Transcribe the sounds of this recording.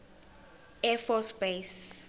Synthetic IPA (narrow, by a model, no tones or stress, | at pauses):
ɛfɔsbes